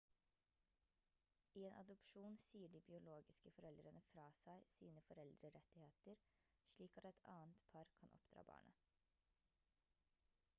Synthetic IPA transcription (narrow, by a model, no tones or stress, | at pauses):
iːeːnʔɑ̰d̪ʊpʃuːnsiːəɖiːbɪʊloːɡɪskəfɔɾɛld̪ɾənəfɾɑːsæɪsiːnəfɔɾɛld̪ɾəɾɛt̪ɪheːt̪əɾʂɭiːkɑt̪ɛt̪ʰɑ̰ːənt̪pʰɑɾkʰɑnʔɔ̰pd̪̥ɾɑ̰ːbɑ̰ːɳə̰